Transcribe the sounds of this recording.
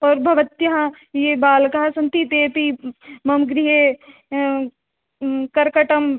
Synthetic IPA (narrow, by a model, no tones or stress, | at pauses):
ɔːɾbʱɐʋɐt̪jɐɦã | jeːbaːlkaɦasɐ̃nt̪it̪eːpimɐmɡɾiɦe | kɐɾkɐʈɐm